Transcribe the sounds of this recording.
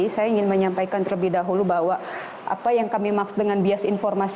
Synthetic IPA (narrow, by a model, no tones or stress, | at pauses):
isajaiŋɪnməɲampajkant̪ərləbɪhdaɦulubaɦwa | ʔa̰pajaŋkamimaksu̥t̪̚dəŋanbiasinfɔrmas